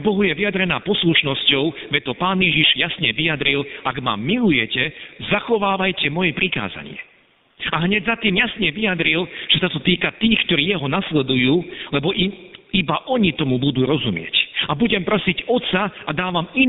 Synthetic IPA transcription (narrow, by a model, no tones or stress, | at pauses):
bɔɦujɛʋijad̪ɾɛnaːpɔsluʃnɔscɔʊʋɛt̪ːɔpaːnjɛʒiʒjasɲɛʋijad̪ɾilaɡma̰milujɛcɛzaxɔʋaːʋajcɛmɔjɛpɾika̰ːza̰ɲɪɛ̰ | aɦɲɛɟzat̪iːmjasɲɛʋijad̪ɾilʒ̥ɛsat̪ɔt̪iːkat̪iːxkt̪ɔɾiːjɛɦɔnaslɛd̪ujuːlɛbɔʔimibaʔɔɲit̪ɔmubud̪uːɾɔzumɪɛ̰cabuɟɛmpɾɔsicɔt̪saad̪aːʋami